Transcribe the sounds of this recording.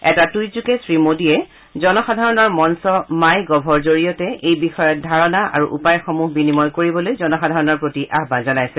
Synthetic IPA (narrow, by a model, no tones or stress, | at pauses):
ɛtatujzukɛsɹimodiɛ | zɔnɔxadʱaɹɔnɔɹmɔnsɔmajɡɔbʱɔɹzoɹijɔtɛʔejbixɔjɔt̚dʱaɹɔnaʔa̰ɹuʔupajxɔmuɦbinimɔjkoɹibɔlojzɔnɔxadʱaɹɔnɔɹpɹotiʔaɦbanzɔnajsɛ